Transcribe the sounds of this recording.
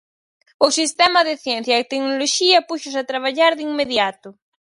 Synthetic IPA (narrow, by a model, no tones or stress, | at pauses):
ʊsist̪ɛmɐðɪθjɛn̟θjɐet̪eknoloʃiɐpuʃʊsat̪ɾaβ̞aʎaɾðiŋmeðjat̪ʊ